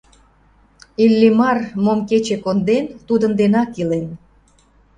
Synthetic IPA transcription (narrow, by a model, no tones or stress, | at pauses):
ilʲːimɑrmomket͡ɕekond̪ent̪ud̪ənd̪enɑkilen